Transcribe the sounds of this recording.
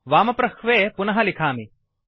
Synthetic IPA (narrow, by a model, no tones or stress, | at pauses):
ʋaːmɐpɾɐkʰʋeːpʊnɐɦɐlɪkʰaːmi